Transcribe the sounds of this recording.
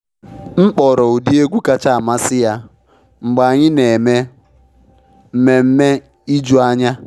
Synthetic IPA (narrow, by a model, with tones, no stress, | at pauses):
ŋ͡m̩˦k͡pɔ˨ɾɔ˨u˨di˦e˦ɡʷu˦ka˦t͡ʃa˦˨a˨ma˦sɪ˦ja˨ | ŋ͡m̩˨ɡ͡ba˨a˨ɲɪ˦ne˨me˦ | m̩˦me˨m̩˦me˦ | i˦d͡ʒu˦a˦ɲa˦